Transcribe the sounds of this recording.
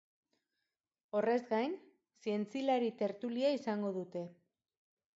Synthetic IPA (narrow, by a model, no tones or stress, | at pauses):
o̞re̞zɡajn | sie̞nt͡silaɾit̪e̞ɾt̪uliaisaŋɡo̞ðut̪e̞